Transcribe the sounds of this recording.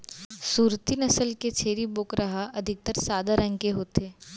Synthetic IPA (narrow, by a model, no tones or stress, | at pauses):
suːɾt̪inɐsəlket͡ʃʰeːɾiboːkɾɐɦaʔɐd̪ʱɪk̚t̪əɾsaːd̪ʱaɾɐ̃ŋɡkeɦoːt̪eː